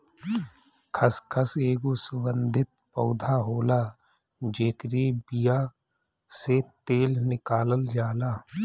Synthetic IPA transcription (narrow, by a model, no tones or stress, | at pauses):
kʰəskʰəseːɡusʊɡə̃nd̪ʱɪt̪̚pəʊd̪ʱaɦoːlaː | d͡ʒeːkɾibɪja | set̪eːlnɪkaːləld͡ʒaːlaː